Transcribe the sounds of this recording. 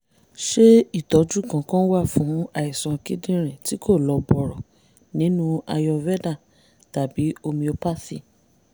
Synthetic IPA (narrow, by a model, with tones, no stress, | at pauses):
ʃe˦i˦˨tɔ˨˦d͡ʒu˦˨kã˨˧kã˦wa˦˨fũ˨˦a˦˨i˨sã˨˧ki˦dĩ˦ɾ̃ĩ˨ti˨˦kʰo˦˨lɔ˨˧bɔ˨ɾɔ˨ | nĩ˨˦nũ˦a˧jɔ˧vɛ˦da˦˨ | ta˨bi˨˦o˧mĩ˧o˧pa˦si˦˨